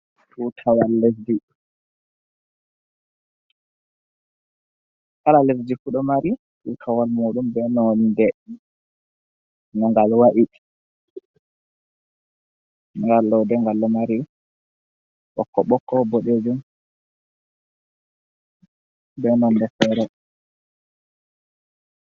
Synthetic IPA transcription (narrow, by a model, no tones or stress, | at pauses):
futʰawalːes̬di | kalales̬dikuɗɔmaɾi | ʔikʰawalmoɗumbɛnɔndɛ | naŋɡalwaʔi | ŋɡalːɔwdɛŋɡalːɔmaɾi | ɓɔ̰kːɔɓɔkːɔboɗed͡ʒum | bɛnɔndɛfɛɾɔ